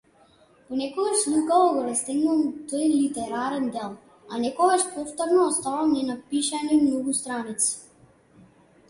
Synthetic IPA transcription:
pɔnɛkɔɡaʃlikaɔɡɔɾast̪ɛɡnumt̪ɔjlit̪ɛɾaɾɛnd̪ɛlˠ | anɛkɔɡaʃpɔft̪ɔɾnɔːst̪avamnɛnapiʃanimnɔɡust̪ɾanit̪si̥

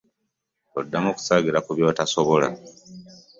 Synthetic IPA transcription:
odːamoku̥saːɡiɾakuβjo̞ːtasoβola̰

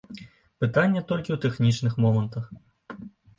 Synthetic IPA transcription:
pɨt̪anʲːɛt̪ɔlʲkʲiwt̪ɛxnʲit͡ʂnɨxmɔmɐnt̪ɐx

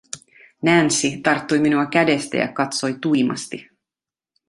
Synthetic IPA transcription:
nænsit̪ɑrt̪ːujminuɑk̟æde̞st̪æ̰jɑ̰kɑt̪so̞jt̪ujmɑ̰st̪i

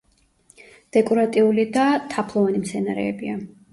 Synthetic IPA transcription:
d̪̥ɛkʼɔɾat̪ʼiulid̪at̪ʰapʰlˠɔvanimt̪sʰɛnaɾɛ̰ɛbia

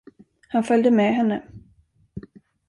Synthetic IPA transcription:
hanfœld̪əmɛɦɛnːə

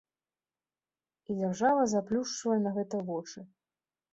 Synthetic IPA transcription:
id͡zʲarʐavɐzaplʲuʂt͡ʂvɐjɛnɐɣɛt̪ɐvɔt͡ʂɨ

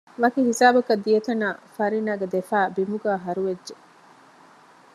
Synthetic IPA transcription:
ʋɐkiɦisaːbɐkɐd̪ːijet̪ɐnaːfɐɾinaːɡed̪efæːbimuɡaːɦɐɾuʋedʒe

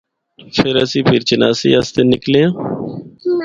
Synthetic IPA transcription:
pʰɪɾəsĩːpʰɪɾt͡ʃəna̰ːsḭːast̪eːnɪkleːãː

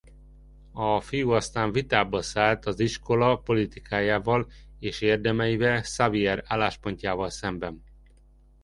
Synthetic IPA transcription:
ɒfijuɒst̪aːɱvit̪aːbɒsaːlt̪ɒziʃko̞lɒpo̞lit̪ikʰaːjaːvɒleːʃeːrd̪ɛmɛjivɛlsaviɛɾaːlːaːʃpo̞ɲcaːvɒlsɛmbɛn

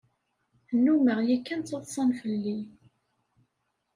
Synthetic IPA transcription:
ənːuməʁjækːænt͡s̪ːəðˤsˤɑnfəlːi

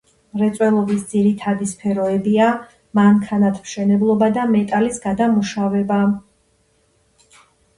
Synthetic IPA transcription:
mɾɛt̪sʼwɛlˠɔbisd̪ziɾit̪ʰad̪ispʰɛɾɔɛbia | mamkʰanat̪ʰmʃɛnɛblˠɔbad̪amɛt̪ʼalisɡad̪amuʃavɛba

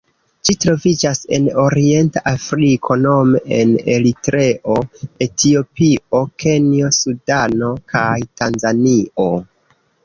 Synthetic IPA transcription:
d͡ʒitɾo̞vid͡ʒase̞̰no̞ɾie̞ntaʔafɾikʰo̞no̞meene̞litɾe̞ʔoe̞tʰio̞pio̞ke̞nio̞sudano̞kʰajtanzanio̞

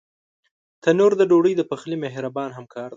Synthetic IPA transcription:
t̪ʰanoɾd̪əɖoɽəjd̪əpaxlimeɦɾabɑnɦamkʰɑɾd̪e

